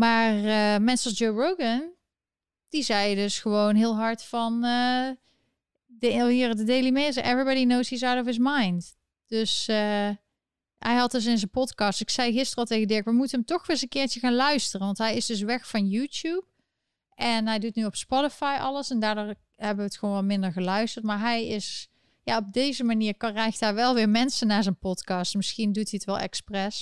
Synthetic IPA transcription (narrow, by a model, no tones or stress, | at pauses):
maːrəmɛnsəɑlˠsd͡ʒowɹowɡən | d̥izɛjdɵsxəʋownɦɪːlˠɦɑɹtfɑnə | dəɦiːɹdədejlimezɛʔɛvɹibɑɾinowshiːzawtɔfɪsmɑjnd | d̥ɵsə | ɦɛjɦɑt̚dɵs̬ɪnzənpɔtkɑːstɪksɛjɣɪstərəɑlˠtejɣədɪɹɪkʋəmutənɦəmtɔxʋɪzənkɪːɹt͡ʃəɣaːnlœɥstərənʋɑntɦɛjɪzdɵs̬ʋɛxfɑnjutup̚ | ʔɛnɦɛjdutnyɔpspɔtəfɑjʔɑ̰ləsɛndaːɹdʊːɹ | ɦɛbəʋəːtxʋonʋɑlˠmɪndəɹɣəlœɥstəɹtmaːɹɦɛjɪs | jaɔb̚dejzəmaniːɹkrɛjktɦaːɹʋɛlˠʋɪːɹmɛnsənaːɹzənpɔtkɑstmɪsxindutiətʋɛlˠɛ̰ksprɛs